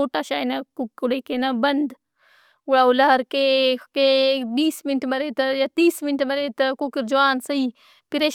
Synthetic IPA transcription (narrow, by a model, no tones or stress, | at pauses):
oːʈaːʃaːinɐkukuɽekenɐbɐnd̪ | ʊɽaːulaːɾkekebiːsmɪnʈʰmɐɾeːt̪ɐjat̪iːsmɪnʈmɐɾeːt̪ɐkukɾd͡ʒuaːnsɐiː | piɾeʃ